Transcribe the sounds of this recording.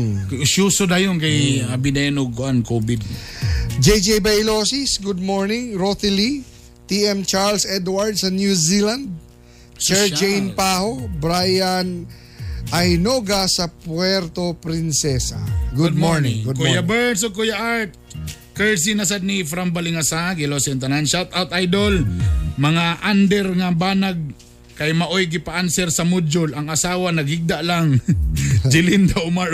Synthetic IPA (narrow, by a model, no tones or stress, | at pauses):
ʃuːsod̪ɐjonkɐjɐbɪnɛnoɡ̚kʊʔankoːbɪd̪̚ | d͡ʒɛjd͡ʒɛjbɐjlosisɡʊd̪̚moɹnɪŋɹot̪ɪli | t̪iɛmt͡ʃaɹlsɛd̪waɹd̪̚sɐnjusiland̪̚ | sɛɹd͡ʒejnpaːhobɾajan | ʔɐjnoɡasɐpwɛɾt̪opɾɪnsɛsa̰ɡud̪̚moɹnɪŋɡʊdkujabɛɹnsokʊjaʔaɹt̪̚ | kɛɹs̬inasad̪̚nifɾambalɪŋasaɡɪlosɛɛnt̪ɐnanʃawt̪awt̪ʔajd̪olmɐŋaʔand̪ɛɾŋabaːnaɡ̚ | kajmɐʔojɡɪpaʔansɛɾsɐmʊd͡ʒolɐŋɐsaːwanɐɡɪɡ̚d̪aʔlaŋ | d͡ʒɪlɪnd̪aʊma